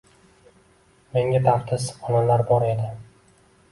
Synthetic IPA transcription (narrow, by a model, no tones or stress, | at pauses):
me̞ŋʲat̪ʰaχt̪ʰɪsɒnalaɾbɒɾe̞d̪ɪ